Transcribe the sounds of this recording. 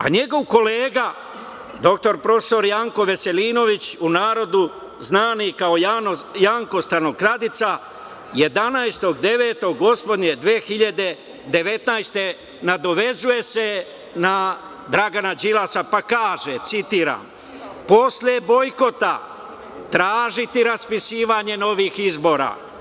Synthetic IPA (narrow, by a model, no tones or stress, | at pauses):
a̰ɲe̞ɡo̞ʋko̞leːɡa | d̪o̞k̚t̪o̞ɾpɾo̞fso̞ɾjaŋko̞ʋe̞se̞liːno̞ʋit͡ɕunaːɾo̞d̪u | znaːnikaoajaːŋko̞st̪anokɾad̪it̪sa | je̞d̪anajst̪o̞ɡd̪e̞ʋe̞ːt̪o̞ɡːo̞spo̞d̪ɲed̪ʋeːxiʎad̪e̞ | d̪e̞ʋe̞t̪najst̪e̞ | nad̪o̞ʋe̞zuje̞se̞ | na | d̪ɾaɡanad͡ʒilasapakaːʒet̪sit̪iːɾa̰m | po̞slʲe̞bo̞jko̞t̪a | t̪ɾaːʒit̪iɾaspisiːʋaɲe̞no̞ʋiːxizbo̞ːɾa̰ː